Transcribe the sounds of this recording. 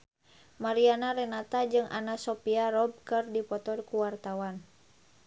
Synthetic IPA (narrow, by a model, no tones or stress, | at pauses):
maɾianaɾɛnat̪ad͡ʒɨŋʔa̰nasɔpiaɾɔb̚kɨrdipɔt̪ɔrkuwart̪awan